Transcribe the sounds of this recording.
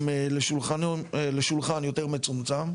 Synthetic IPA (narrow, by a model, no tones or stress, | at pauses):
meleʃulχanleʃulχanjot̪eʁmet͡sumt͡sam